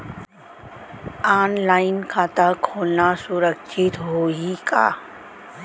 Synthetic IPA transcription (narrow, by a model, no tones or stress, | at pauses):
aːnlaːɪnkʰaːt̪akʰoːlnasʊɾəkʃʰɪt̪ɦoːika̰ː